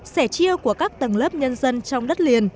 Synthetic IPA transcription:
sɛ˧˩t͡ɕi˧əwku˧˩əkaː˦˥k̚t̪ə˨˩ŋləː˦˥p̚ɲə˧nzə˧nt͡ɕɔ˧wŋ͡mɗə˦˥t̚li˨˩ən

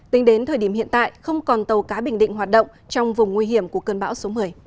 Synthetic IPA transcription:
t̪i˨˦ŋ̟ɗe˨˦nt̪ʰəː˨˩jɗi˧˩əmhḭ˧ənt̪a̰ː˧˨jxə˧wŋ͡mkɔ˨˩nt̪ə˨˩wkaː˨˦ɓï˧˩ŋ̟ɗḭ˧˨ŋɦaː˨˩t̚ɗə̰˧˨wŋ͡m | t͡ɕɔ˧wŋ͡mvʊ˨˩ŋ͡mŋwi˧ɦi˧˩əmku˧˩əkəː˧˩nɓa̰ː˧˥wso˨˦mɨ˨˩əj

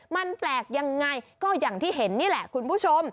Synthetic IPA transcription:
ma˧˩nflaː˨˩k̚za˨˩ŋːa˨˩jkɔ˧za˨˩ŋt̪ʰi˧˦ɦe˨˩nɲi˧˦˥la̰ː˧˨ku˧nfu˦˥so˧m

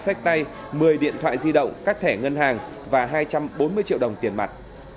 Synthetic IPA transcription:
sa˦˥k̟̚t̪a˧j | mɨ˨˩əjɗḭ˧˨ənt̪ʰwa̰ː˧˨jzi˧ɗə̰˧˨wŋ͡mkaː˦˥k̚t̪ʰɛ˧˩ŋə˧nɦaː˨˩ŋ | vaː˨˩ɦaː˧jt͡ɕa˧mɓo˨˦nmɨ˧ət͡ɕḭ˧˨əwɗə˨˩wŋ͡mt̪i˨˩ənma˨˩t̚

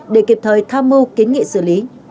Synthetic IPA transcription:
ɗe˧˩ki˨˩p̚t̪ʰəː˨˩jt̪ʰaː˧mːɨ˧ki˨˦n̟ŋḭ˧˨sɨ̰˧˩li˨˦

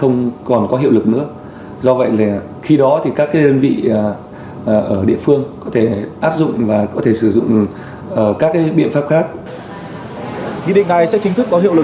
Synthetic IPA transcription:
xə˧wŋ͡mkɔ˨˩nkɔ˨˦ɦḭ˧˨əwlɨ˨˩k̚nɨ̰˧˥ə | zɔ˧və̰˧˨jlaː˨˩ | xi˧ɗɔ˨˦t̪ʰi˨˩kaː˦˥k̚ːaː˨˦jɗəː˧nvḭ˧˨˩ | ʔəː˧˩ɗḭ˧˨əfɨ˧əŋkɔ˨˦t̪ʰe˧˩ʔaː˦˥p̚zʊ̰˧˨ŋ͡mvaː˨˩kɔ˨˦t̪ʰe˧˩sɨ˧˩zʊ̰˧˨ŋ͡m | ʔəː˧˩kaː˦˥kːaː˨˦jɓḭ˧˨ənfaː˦˥p̚xaː˦˥k̚ | wḭ˧˨ɗḭ˧˨ŋ̟na˨˩jsɛ̰˧˥t͡ɕï˨˦t̪ʰɨ˦˥kːɔ˨˦ɦḭ˧˨əwlɨ˨˩

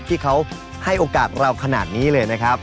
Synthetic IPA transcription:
t̪ʰiː˥˩kʰa˦˥w | ha˥˩jʔoː˧kaː˨˩t̪̚ɾa˧wkʰa˧na̰ː˨˩t̪̚niː˦˥lɤː˧jna˦˥kʰa˦˥p̚

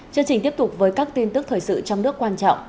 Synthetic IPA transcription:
t͡ɕɨ˧ŋt͡ɕï˨˩ŋ̟t̪i˦˥p̚t̪ʊ˨˩k͡p̚vəː˨˦jkaː˦˥k̚t̪i˧nt̪ɨ˦˥k̚t̪ʰəː˨˩jsɨ̰˧˨t͡ɕɔ˧wŋ͡mnɨ˦˥əkːwaː˧nt͡ɕɔ̰˧˨wŋ͡m

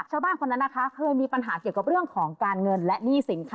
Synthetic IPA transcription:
k̚t͡ɕʰaː˥˩wbaː˥˩nkʰo˧nːa˦˥nːa˦˥kʰa˦˥kʰɤː˧jmiː˧pa˧nɦaː˩˦ki˨˩əka˨˩p̚ɾɯ˥˩əŋkʰɔː˩˦ŋkaː˧nŋɤ˧nlɛ˦˥ʔniː˥˩si˨˩˦nkʰ

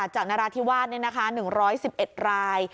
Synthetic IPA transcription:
t̚t͡ɕaː˨˩k̚naː˦˥ɾaː˧t̪ʰiː˥˩waː˥˩t̪ni˥˩ɐna˦˥kʰa˦˥nɯ˨˩ŋɾɔː˦˥jsi˨˩p̚ʔe˨˩t̪̚ɾaː˧j

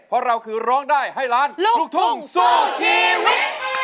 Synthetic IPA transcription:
pʰɔ˧˥ɾa˧wkʰɯː˧˩ɾɔː˦˥ŋdaː˥˩jɦa˥˩jɾaː˦˥nlu˧˩lu˧˩k̚t̪ʰu˥˧˩ŋso˧˩t͡ɕʰiː˧w

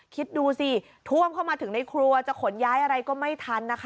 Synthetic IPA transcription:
kʰi˦˥t̪̚duː˧si˧˩ | t̪ʰu˥˩əmkʰa˥˩wmaː˧t̪ʰɯ˩˦ŋna˧jkʰɾu˧ɐt͡ɕa˨˩kʰo˨˩˦njaː˦˥jʔa˧ɾa˧jkɔː˥˩ma˥˩jt̪ʰa˧nːa˦˥kʰ

